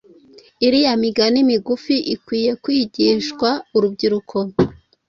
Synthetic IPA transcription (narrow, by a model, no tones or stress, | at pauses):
iɾijamiɡanimiɡufiʔikwiːje̞kwiːɟiʃɡwauɾubɟiɾukʰo̞